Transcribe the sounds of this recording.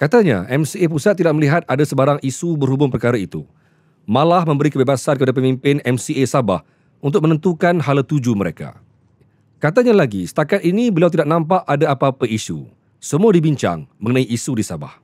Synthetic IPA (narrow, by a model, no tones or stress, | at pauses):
kat̪aɲa̰ʔɛmsiep̬usat̪ːidaʔməliɦat̪̚adasəbaɾaŋisubərhubʊŋpərkaɾait̪u | mãlahmə̃mbəɾikəbebasankəpadapəmĩmpɪnɛmsiesaba̰h | unt̪ʊk̚mə̃nə̃nt̪ukanɦalt̪ud͡ʒuməɾeka̰ | kat̪aɲalaɡisə̥t̪akat̪̚inĩbəlawt̪̬idaʔ̚nãmpaʔadaapapəisṵ | səmũadibiɲt͡ʃa̰ŋmə̃ŋənãiʔisudisaba̰h